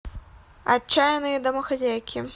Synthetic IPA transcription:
a̰t͡ʃːajɐnɨjɐd̪ɐmɐxazʲajkʲʰi

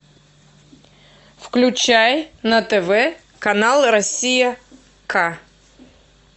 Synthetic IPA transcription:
fklʲʉt͡ɕajnət̪ɛvɛ | kɐnalˠɾɐsʲijə | kʰa

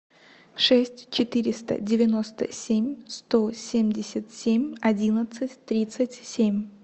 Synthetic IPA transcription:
ʂɛsʲtʲt͡ɕɪt̪ɨɾʲɪst̪ə̰dʲɪvʲɪno̞st̪ə̰sʲemʲst̪o̞sʲemʲdʲɪsʲət̪sʲemʲɐdʲinət̪sɨtʲt̪ɾʲit̪sɨtʲsʲemʲ

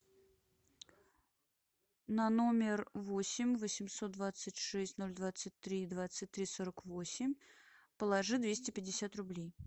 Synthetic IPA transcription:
nɐno̞mʲɪrvosʲɪmʲvəsʲɪmso̞t̪̚d̪vat̪sɨtʲʂɛsʲtʲno̞lʲd̪vat̪sɨtʲt̪ɾʲid̪vat̪sɨt̚ʲt̪ɾʲisoɾəkvosʲɪmʲ | pəlˠɐʐɨd̪vʲesʲtʲɪpʲɪdʲɪsʲat̪rʊblʲej

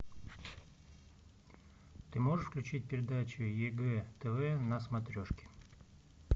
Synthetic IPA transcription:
t̪ɨmo̞ʐɨʂfklʲʉt͡ɕit̚ʲpʲɪɾʲɪd̪at͡ɕʊjɛɡɛt̪ɛvɛnɐsmɐt̪ɾʲo̞ʂkʲɪ̥

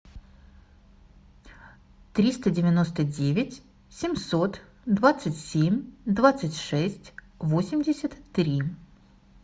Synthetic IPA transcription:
t̪ɾʲist̪ədʲɪvʲɪno̞st̪ədʲevʲɪtʲ | sʲɪmʲso̞t̪ | d̪vat̪sɨtʲsʲemʲd̪vat̪sɨtʲʂɛsʲtʲ | vosʲɪmʲdʲɪsʲət̪ːɾʲi

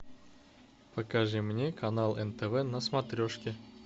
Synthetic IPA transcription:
pəkɐʐɨmnʲekɐnalˠɛnt̪ɛvɛnəsmɐt̪ɾʲoʂkʲɪ

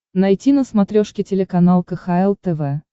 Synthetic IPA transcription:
nɐjtʲinəsmɐt̪ɾʲoʂkʲɪtʲɪlʲɪkɐnalˠkəxaɛlˠt̪ɛvɛ

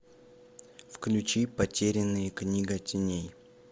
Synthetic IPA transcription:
fklʲʉt͡ɕipɐtʲeɾʲɪnːɨjəknʲiɡɐtʲɪnʲej

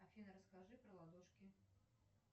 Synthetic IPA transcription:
afʲinɐɾɐskaʐɨpɾɐlˠad̪ɔʂkʲi

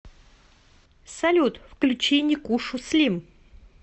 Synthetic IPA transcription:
sɐlʲut̪fklʲʉt͡ɕenʲɪkuʂʊslʲim

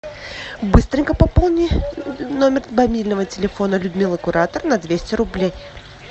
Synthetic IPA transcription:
bɨst̪ɾʲɪŋʲkəpɐpolˠnʲɪnomʲɪrbɐmʲilʲnəvətʲɪlʲɪfo̞nəlʲʊd̪mʲilˠəkʊɾat̪ərnɐd̪vʲesʲtʲɪɾʊblʲej

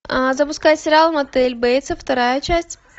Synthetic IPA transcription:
əzəpʊskajɪt̪ʲsʲɪɾʲalˠmɐt̪ɛlʲbɛjt̪səft̪ɐɾajət͡ɕæsʲtʲ

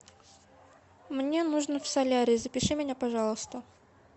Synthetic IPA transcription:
mnʲe̞nuʐnəfsɐlʲaɾʲɪzəpʲɪʂɨmʲɪnʲapɐʐɑlˠəst̪ə

